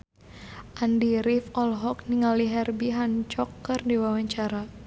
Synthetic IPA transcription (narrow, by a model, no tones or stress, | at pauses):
ʔandiɾifɔlɦɔk̚niŋaliɦɛrbiɦant͡ʃɔkːɨrdiwawaɲt͡ʃaɾa